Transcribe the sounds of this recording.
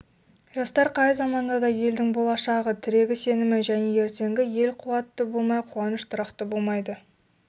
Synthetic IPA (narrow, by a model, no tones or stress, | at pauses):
ʒɑst̪ɑɾqʰɑjzɑmɑnd̪ɑd̪ɑje̞ld̪ɪŋbo̞lˠɑʃɑʁət̪ʰɪɾe̞ɡʲɪse̞nɪmɪʒæne̞e̞ɾt̪e̞ŋɡʲɪje̞lqʰʊwɑt̪ːəbo̞lˠmɑjqʰʊwɑnəʃt̪ʰʊɾɑqt̪əbo̞lˠmɑjd̪ə